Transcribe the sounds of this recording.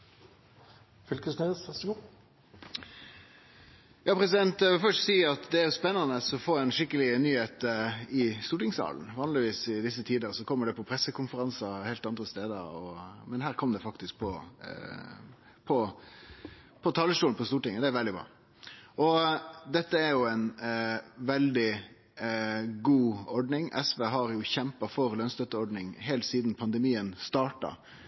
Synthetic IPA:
fʏlkəsness | jɑːpʰɾɛsɪd̪ɛnt̪d̪ɛʋɪlfœʂtsiːɑt̪d̪ɛæɾjʊspɛnːɑnəsɔfoːɛnʂɪkːəlɪnyːheːt̪ɪst̪uːʈɪŋsɑ̰ːln̩ʋɑːnlɪʋiːsɪd̪ɪsːət̪ʰiːd̪əʁsɔkʰɔmːəɖɛpʰɔpʰɾɛsːəkʊnfəɾɑnsɑheːlt̪ɑnd̪ɾəst̪eːd̪ə̰ɾɔmɛnhæːɾkʰɔmd̪ɛfɑkt̪ɪsk̚pʰɔ | pʰɔ | pʰɔt̪ʰɑlːəʂʈuːnpʰɔst̪uːʈɪŋːəd̪ɛæɾʋɛld̪ɪbɾɑ̰ː | ʔɔd̪ɛt̪ːəæɾjʊɛn | ʋɛld̪ɪ | ɡuːɔɖɳɪŋʔɛ̰sʋeɦɑɾjʊçɛmpɑfɔɾlœnst̪œt̪ːəɔɖɳɪŋɦɛːlt̪siːd̪npʰɑnd̪əmiːənst̪ɑːʈɑ̰

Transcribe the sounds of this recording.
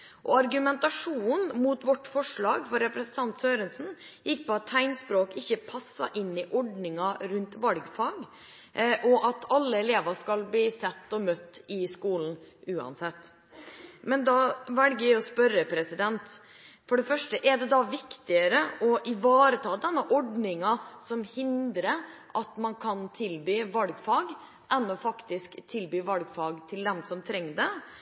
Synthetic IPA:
ʔɔɑɾɡʉmɛnt̪ɑʂuːnmʊt̪ʋɔʈːfɔʂɭɑːɡfɔɾɛpɾɛsn̩t̪ʰɑnt̪søːɾənsn̩ | jɪk̚ːpʰɔɑt̪ʰːæɪnspɾoːkɪçːəpʰɑsːɑ̰ʔɪnːɪʔɔɖnɪŋɑɾʉnt̪ʋɑlɡfɑːɡ | ʔɔʔɑt̪ʰɑlːəɛleːʋəʂkɑlbliːsɛt̪ːɔmœt̪ːɪskuːln̩ʉːɑ̰nsɛt̪ː | mɛnd̪ɑʋɛlɡəæɪɔspœɾːəpʰɾɛsɪd̪ɛnt̪ | fɔɖɛfœʂʈəʔɛɖɛd̪ɑʋɪkt̪ɪəɾəʔɔʔɪʋɑːɾət̪ʰɑːd̪ɛnːəʔɔɖnɪŋɑsɔmhɪnd̪ɾəʔɑt̪mɑnkʰɑnt̪ʰɪlbyːʋɑlɡfɑɡ | ʔɛnːɔfɑkt̪ɪskt̪ʰɪlbyːʋɑlɡfɑːɡt̪ʰɪld̪ɛmsɔmt̪ʰɾɛŋːd̪ɛ

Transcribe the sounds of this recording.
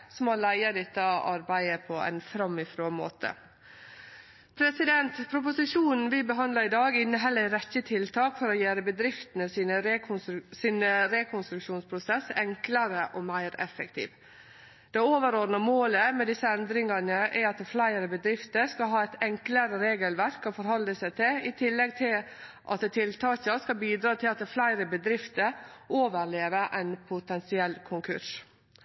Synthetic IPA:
sɔmoːlæɪəd̪ɛt̪ːəʔɑɾbæɪəpʰɔæ̰ɪnfɾɑmɪfɾoːmo̰ːt̪ʰə̰ | pʰɾɛsɪd̪ɛnt̪pʰɾʊp̬ʊsɪʂuːnn̩ʋɪbəɦɑnd̪lɑɪd̪ɑːɡɪnːəɦɛlːəɾɛçət̪ʰɪlt̪ʰɑːkfɔɾɔjeːɾəbəd̪ɾɪft̪ənəsiːnəɾsiːnəɾɛkʰɔnst̪ɾʉkʂuːnspʰɾʊsɛsːɛŋkləɾəʔɔːmæɪɾɛ̰fək̚t̪ʰḭːʋ | d̪̥ɛoːʋəɾoːd̪nəmoːləmɛd̪ɪsːəɛnd̪ɾɪŋənəʔɛɾɑt̪̚ɛflæɪɾəbəd̪ɾɪft̪əɾskɑlɦɑːɛɪt̪ɛŋkləɾəɾeːɡəlʋæɾkːɔfɔɾɦhɔlːəsæɪt̪ʰɪlɪt̪ʰɪlːɛɡ̚t̪ʰɪl | ʔɑ̰t̪̚d̪ɛt̪ʰɪlt̪ʰɑːçəskɑbiːd̪ɾɑːt̪ʰɪlɑt̪̚d̪ɛflæɪɾəbəd̪ɾɪft̪əɾʔoːʋəɾɭeːʋəʔɛɪnpʰʊt̪ʰɛnsɪɛlːkʰʊŋkʰʉ̰ʂ

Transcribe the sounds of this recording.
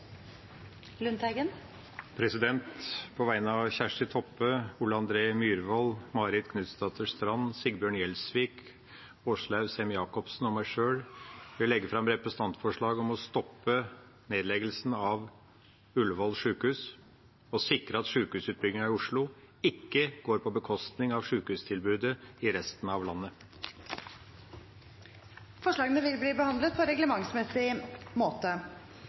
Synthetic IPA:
lʉnt̪æɡən | pʰɾɛsɪd̪ɛnt̪pʰɔʋæɪnəɑʋçæʂʈɪt̪ʰɔpːəulːəɑnd̪ɾeːmjyːɾʋɔlmɑːɾɪd̪kʰnʉt̪st̪ɑːt̪ʰəʂt̪ɾɑnːsɪɡbjøːɳjɛlsʋiːk | ɔʂlɑʉsɛmjɑːkɔpsn̩ɔmːæɪʂøːɽʋɪɛɡːəfɾɑmɾɛpɾɛsən̩ɑnt̪fɔʂɭɑːɡɔmɔst̪ɔpːə | neːd̪lɛɡəlsn̩ɑʋ | ʉlʋɔlʂʉːkhʉːs | ɔsɪkɾəɑt̪ʂʉːkhʉːsʉːt̪̚bʏɡɪŋɑɪʊʂɭʊ | ɪkːəɡ̥oːɾpʰɔbəkʰɔst̪nɪŋɑʋʂʉːkhʉːst̪ʰɪlbʉːd̪əɪɾɛst̪ənɑʋlɑnːə | fɔʂɭɑːɡənəʋɪlbliːbəhɑnd̪lət̪̚pʰɔɾɛɡləmɑŋsmɛsɪmoːt̪ə

